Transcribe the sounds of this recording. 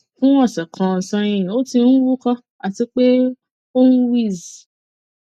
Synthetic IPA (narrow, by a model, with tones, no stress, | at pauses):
fũ˦wɔ̃˦˨sɛ˨kʰɔ̃˨sã˧jĩ˧˨o˦tĩ˧nũ˦wu˦kɔ̃˧ | a˨ti˧k͡pe˦ | o˦nũ˦wi˦˨zi˨